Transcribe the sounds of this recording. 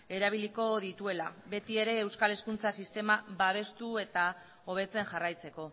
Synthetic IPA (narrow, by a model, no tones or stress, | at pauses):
e̞ɾaβ̞iliko̞ðit̪ue̞laβe̞t̪ie̞ɾe̞ːwskale̞skunt͡sasist̪e̞maβaβ̞e̞st̪ue̞t̪a | o̞β̞e̞t͡se̞ŋʝarajt͡se̞ko̞